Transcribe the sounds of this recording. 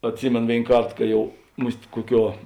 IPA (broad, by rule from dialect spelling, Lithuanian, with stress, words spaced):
ɐtʲˈsʲɪmʲeːn ˈʋʲeːɪn ˈkɐrt ˈkɐ ˈjɛʊ mʊsʲtʲ ˈkuɔˌkʲuɔ